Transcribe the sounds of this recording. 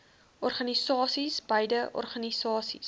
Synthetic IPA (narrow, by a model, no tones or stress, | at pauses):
ɔrχɐnisɑːsisbəjdəʔɔ̰rχɐnisɑːsḭs